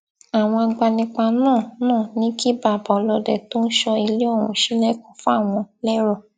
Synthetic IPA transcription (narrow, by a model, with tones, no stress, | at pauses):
a˨w̃ɔ̃˧a˧ɡ͡ba˧nĩ˧k͡pa˧nãː˦˨nãː˦˨nĩ˨˦ki˦ba˨ba˨˧lɔ˧dɛ˨to˦n̩˦ʃɔ˧i˧le˦ɔ˦˨wũ˨˧˨ʃi˦lɛ˦kɔ̃˨˦fũ˦a˦˨w̃ɔ̃˧lɛ˦ɾɔ˦˨